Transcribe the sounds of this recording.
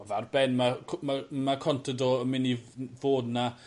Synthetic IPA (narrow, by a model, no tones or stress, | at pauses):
ɔvarbɛnmamamakʰɔntʰədɔəmɪnivoːdna